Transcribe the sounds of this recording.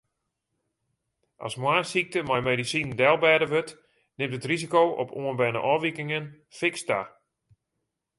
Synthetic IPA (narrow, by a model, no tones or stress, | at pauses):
ʔɑ̰smwaːsik̚təmajmedisindɛlˠbɛːdəʋøt | nɪmtətrizikowʔɔ̰pʰoənbɛnə̰ʔɔʋikɪŋən | fɪksta